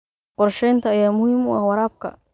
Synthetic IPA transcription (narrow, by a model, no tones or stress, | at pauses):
qɔɾʃɛjnt̪ʰɐːjaːmʊhɪmʊawɑɾaːb̚kʰɐ̰